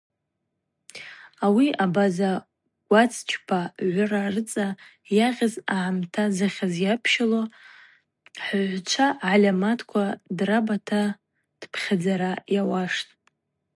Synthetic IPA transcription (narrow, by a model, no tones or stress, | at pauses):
awiabaza | ɡ̥ʷat͡sʰʼt͡ʃʷʼʰpʰaʕʷʊrarɨt͡sʼa | jaʁʲazaʕamtʰazɨχʲazjapʰʃalo | ħʕʷt͡ʃʷʰaʕalʲamatʰkʷʰadrabatʰa | d̥pʰχʲad͡zaɾajawaʂtʼ